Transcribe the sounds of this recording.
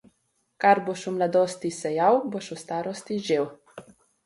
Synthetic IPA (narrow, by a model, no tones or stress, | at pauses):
kaɾboʃumlad̪oːst̪isɛjawboʃust̪aːɾɔst̪iʒew